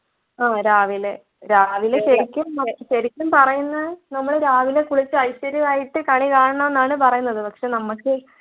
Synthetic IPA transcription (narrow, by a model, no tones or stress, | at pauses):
aːɾaːʋile | ɾaːʋileɕɐɾikʲːumɐɕɐɾikʲːumpɐrɐjunːɐnɐmːɐɭeɾaːʋile̞kuɭit͡ɕːɨɐjɕɐɾiʋaːjiʈːɨkaːɳikaːɳɐɳɐme̞nːaːɳɨpɐrɐjunːɐðɨpɐkʂe̞nɐmːɐkːɨ